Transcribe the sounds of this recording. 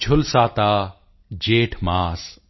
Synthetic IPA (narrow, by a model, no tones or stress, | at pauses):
t͡ʃʰʊlsaːt̪aː | d͡ʒeːʈʰmaːs